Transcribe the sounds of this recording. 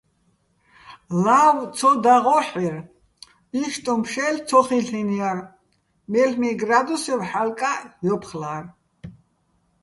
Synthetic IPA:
law̪t͡sʰɔd̪aʁɔħiɾ | iʃt̪ʼɔmpʰʃɛlt͡sʰɔχiɬiniaɾ | mɛlmiɡɾad̪usɛvħalkʼajɔpʰχlar

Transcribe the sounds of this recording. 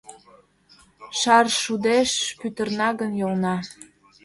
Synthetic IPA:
ʃɑrʃud̪eʃpyt̪ərnɑɣənjolnɑ

